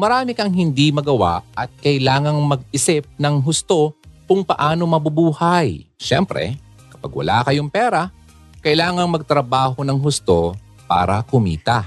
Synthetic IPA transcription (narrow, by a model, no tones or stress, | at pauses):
mɐɾaːmɪkɐŋɦɪnd̪imɐɡɐwa̰ʔɐt̪̚kɐjlaːŋɐŋmɐɡ̚ɪsɪp̚nɐŋɦʊst̪o̞kʊŋpɐʔaːno̞mɐbʊbuːhɐjʃɛ̰mpɾɛ̰ | kɐ̥pɐ̰ɡwɐ̰la̰kɐjoŋpɛːɾɐ | kɐjlaːŋɐŋmɐɡ̚t̪ɾɐbaːɦo̞nɐŋɦʊst̪o | pa̰ːɾɐ̰kʊmḭːt̪ɐ